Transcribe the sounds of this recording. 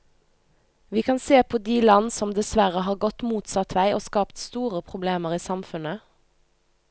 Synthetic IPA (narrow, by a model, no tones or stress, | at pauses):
ʋiːkʰɑnseːpʰoːd̪iːlɑnsɔmd̪ɛsʋæʁəɦɑːʁɡɔt̪muːt̪sɑt̪ʰʋæɪʔoːskɑːpt̪st̪uːʁəpʰʁʊbleːməʁiːsɑmfʉnə